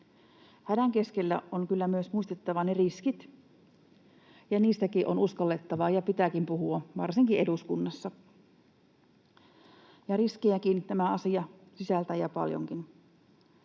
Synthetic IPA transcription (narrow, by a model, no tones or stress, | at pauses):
hædæŋkeskelːæoŋkylːæmyøsmuist̪et̪ːɑʋɑneriskit̪ | jɑniːst̪ækiʔonuskɑlːet̪ːɑʋɑjɑpit̪ækimpuhuɑʋɑrsiŋkiʔeduskunːɑsːɑ | jɑriskiækint̪æmæɑsiɑsisælt̪æjɑpɑ̰ljo̰ŋkin